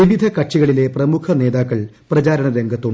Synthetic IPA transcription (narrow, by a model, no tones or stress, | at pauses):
iʋid̪ʱɐkɐʈʂiɣɐɭile̞prɐmukʰɐne̞ːd̪aːkːɐɭ | prɐt͡ɕaːɾɐɳɐɾe̞ŋɡʱɐt̪ːuɳ